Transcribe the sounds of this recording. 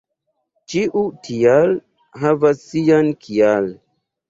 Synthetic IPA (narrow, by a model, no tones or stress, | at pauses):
t͡ʃiʔutʰial | ɦavasːiankʰial